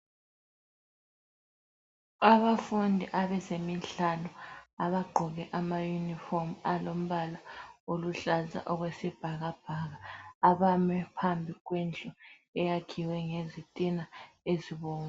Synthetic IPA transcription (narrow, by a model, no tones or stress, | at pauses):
aβafundʱiʔaβɛzemiɬanɔaβaɡ͡ǃʱɔɣɛʔamajunifɔmalom̩βalaoluɬaza̰ʔɔɣwesib̥ʱaɣab̥ʱaɣaːβamɛpʰambʱiɣwind͡ɮʱɔ | ɛjakʰiwɛŋezitʼina | eziβɔːŋa